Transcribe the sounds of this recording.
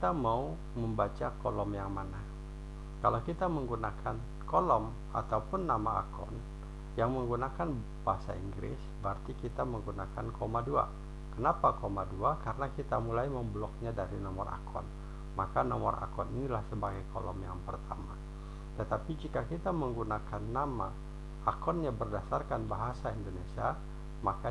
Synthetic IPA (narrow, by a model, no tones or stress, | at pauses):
t̪amau | məmbat͡ʃakolɔmjaŋmana | kalawkit̪aməŋɡunakʰan | kɔlɔm | a̰t̪aupʊnːama̰ʔa̰kʰɔ̰n | jaŋməŋɡunakan | baasaḭŋɡɾɪ̰sbəərt̪ikit̪aməŋɡunakankʰomadua̰ | kənapakomaduakaɾənakit̪amulajməmbəlɔk̚ɲadaɾinɔmɔra̰kʰɔ̰n | makanɔmɔ̰rʔa̰kɔninilahsəbaɡajkʰɔlɔ̰mjaŋpərt̪ʰama | t̪ət̪apid͡ʒikakit̪aməŋɡunakanːama̰ | ʔːkɔnɲabərdasarkanbaɦasaindonesia | maka